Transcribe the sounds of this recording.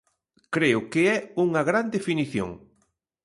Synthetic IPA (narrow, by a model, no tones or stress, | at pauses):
kɾeʊkeɛuŋɐɣɾand̪efiniθjo̰ŋ